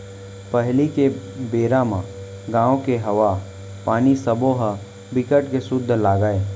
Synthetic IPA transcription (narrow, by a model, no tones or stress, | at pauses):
pəɦlike | beːɾamã | ɡãːõkeɦɐʋa | paːnisəbõɦə | bɪkəʈkesʊd̪ʱːlaːɡaːeː